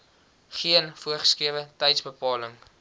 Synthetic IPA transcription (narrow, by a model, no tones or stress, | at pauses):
χiənfuəχskiəvətɛjtsbəpɑːləŋ